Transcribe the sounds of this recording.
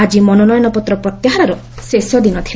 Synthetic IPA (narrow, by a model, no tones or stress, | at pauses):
ad͡ʒimɔnɔnɔjɔnɔpɔt̪ɾɔpɾɔt̪jaɦaɾaɾɔ | sesjɔd̪inɔt̪ʰil